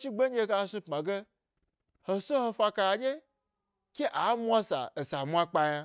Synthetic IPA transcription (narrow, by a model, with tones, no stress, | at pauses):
t͡ʃi˦ɡ͡be˦ɲ˦e˦ka˦˨˧sũ˦pmã˨ɡe˦ | ho˨so˦ho˧fa˧ka˨a˨d͡ʒe˦ | kʲe˦ʔa˨˦mʷ˦a˦sa̰˨e˨sa˨mʷ˦a˦k͡pa˦ja˦